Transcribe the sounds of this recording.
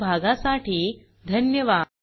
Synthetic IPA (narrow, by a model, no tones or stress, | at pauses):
bʱaɡasaʈiː | d̪ʱənjəʋa